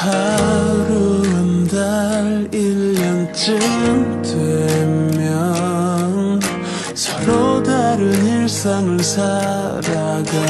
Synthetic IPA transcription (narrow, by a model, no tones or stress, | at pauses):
haɾuandaɾilːʌŋt͡ɕɯtwemjʌŋ | sʰʌ̥ɾodaɾɯniɭs͈aŋɯɭsʰa | ɾaɡa